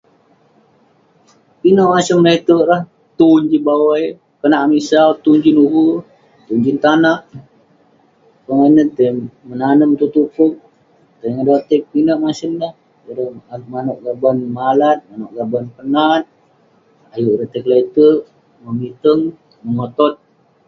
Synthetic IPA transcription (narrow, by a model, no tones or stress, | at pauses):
pinəʔmasəmlet̪əʔlah | t̪uɲd͡ʒibawaj | kənaʔmisalt̪uɲd͡ʒinuɡu | t̪uɲd͡ʒint̪anaʔ | pəŋanət̪əmənanəmt̪uʔt̪upʊk̚ | t̪əjŋədat̪ək̚pinəʔmasəmlah | əɾəmanoʔɡabanmalat̪̚manoʔɡabanpənat̪̚ | ajuʔɾət̪əklet̪əʔ | məmit̪əŋ | məŋot̪ɔt̪̚